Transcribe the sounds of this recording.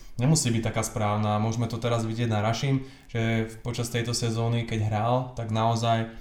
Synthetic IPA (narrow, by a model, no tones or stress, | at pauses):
ɲɛmusiːbic̚t̪ːakaːspɾaːʊnamʊɔʒmɛt̪ɔt̪ɛɾazʋiɟɪɛɟnaɾaʃiːm | ʒ̥ɛpɔt͡ʃast̪ɛjt̪ɔsɛzɔːnikɛɟɦɾaːlt̪aɡnaɔzaj